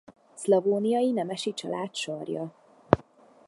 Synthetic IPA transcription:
slɒvoːnijɒjinɛmɛʃit͡ʃɒ̰laːt̪ʃɒrjɒ

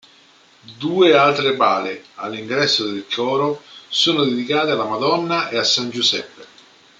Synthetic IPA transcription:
d̪uːealt̪ɾebaːlea̰lːiŋɡɾɛsːod̪ɪlkɔːɾosuːnod̪ed̪ikaːt̪ealːamad̪ɔnːaʔeasːand͡ʒusɛpːe

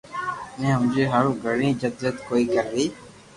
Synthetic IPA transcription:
nẽɦəmd͡ʒeːɦaːɾũːɡʱəɽĩːd͡ʒəd̪d͡ʒət̪koːiːkəɾd̪iː

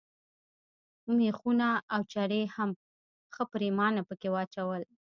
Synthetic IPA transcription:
mexunaːwt͡ʃaɽeham | xəpɾemɑnapəkewɑt͡ʃawəl

